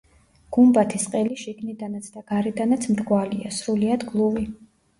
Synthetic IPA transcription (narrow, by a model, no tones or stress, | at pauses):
ɡ̥umbat̪ʰisqʼɛliʃiɡnid̪anat̪sʰd̪aɡ̥aɾɛd̪anat̪sʰmɾɡwaliasɾuliad̪ɡlˠuvi